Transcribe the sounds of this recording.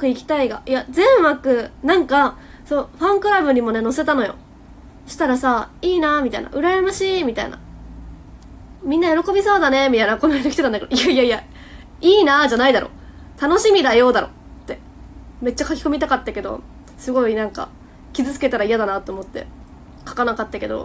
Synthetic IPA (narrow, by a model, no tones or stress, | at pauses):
kɯ̟ikʲi̥t̪aiɡa̰jazẽ̞ɰ̃makɯ̟nãŋka | soːɸãŋkɯ̟ɾabɯ̟ɲ̟imo̞ne̞no̞se̞t̪ano̞jo̞̰ | ɕi̥t̪aɾasaiːnamʲit̪aḭna̰ʔɯ̟ɾaɾemaɕiːmʲit̪aḭna̰ | mʲĩnːajo̞ɾo̞ko̞bʲiso̞ːd̪ane̞mʲit̪ainako̞noed̪okʲi̥t̪et̪ãnked̪oijaijaija | iːnad͡ʑanaid̪aɾʔo̞̰ | t̪ano̞ɕimʲid̪ajo̞ːd̪aɾo̞̰ | t̪ːe̞ | me̞t̚t͡ɕːakakʲi̥ko̞mʲit̪akat̪ːake̞d̪o̞̰ | sɨɡo̞inãŋka̰ | kʲizɨt͡sɨ̥ke̞t̪aɾaijad̪anat̪ːo̞oːmo̞t̪ːe̞̰ | kḁkanakat̪ːake̞d̪o̞̰